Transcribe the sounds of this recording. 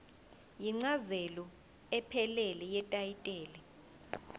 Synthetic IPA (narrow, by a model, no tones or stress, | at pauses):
jiŋ͡ǀazɛlɔ | ɛpʰɛlɛlɛjɛtʼajitʼɛːlɛ